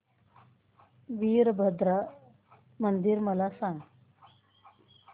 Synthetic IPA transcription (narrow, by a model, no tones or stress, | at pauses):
ʋiːɾbʱəd̪ɾa | mənd̪iɾməlasãŋɡ